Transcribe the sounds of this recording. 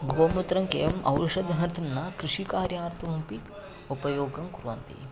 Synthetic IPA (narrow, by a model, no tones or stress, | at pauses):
ɡoːmut̪ɾɐŋkeːjɐmʔɐ̰wʂɐd̪ʱɐɦɐnt̪ʰɐmnɐkɾiʂikaːɾjaːɾt̪ʰɐʋɐmpi | upɐjoːɡɐmkuɾʋɐ̰nt̪ḭ